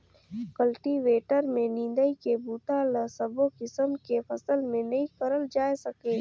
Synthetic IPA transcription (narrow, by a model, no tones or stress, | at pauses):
kɐlʈiʋeːʈəɾmẽnĩːnd̪əikebuːʈalɐsɐbokɪsəmkefɐsəlmẽnɐɦĩkɐɾəld͡ʒaːesɐkẽː